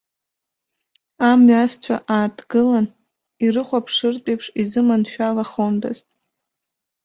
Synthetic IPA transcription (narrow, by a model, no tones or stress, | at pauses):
amɥast͡ɕʷʰa̰ʔaːtʰɡɨlan | irɨχʷapʰʂɨrtʼejpʰʂizɨmanʃᶣalaχomda̰zʼ